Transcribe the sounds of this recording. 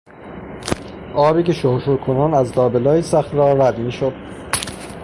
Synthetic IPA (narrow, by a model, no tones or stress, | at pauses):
ʔɒːbiːcʰeʃoɾʃoɾkʰonɑːnæzlɒːbelɒːjisæxt̪ɾɒːɾæd̪miːʃod̪̥̚